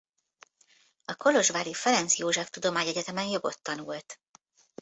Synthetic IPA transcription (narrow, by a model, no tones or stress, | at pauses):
ɒko̞lo̞ʒvaːɾifɛɾɛnt̪sijoːʒɛkt̪ud̪o̞maːɲɛɟɛt̪ɛmɛnjo̞ɡo̞t̪ːɒnult̪